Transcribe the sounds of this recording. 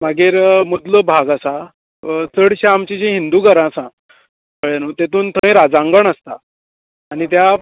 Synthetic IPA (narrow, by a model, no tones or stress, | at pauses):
maɡiːɾmud̪ləbʱaɡasa | t͡səɽɕaamt͡ɕĩd͡ʑĩɦind̪uɡəɾãsã | kəɭenuːt̪et̪uːnt̪ʰə̃ẽɾad͡zãŋɡəɳəst̪aː | ɽ̃it̪ja